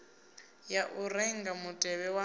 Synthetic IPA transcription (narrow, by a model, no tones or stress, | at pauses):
jaʔuɾɛŋɡamutʼɛβɛwa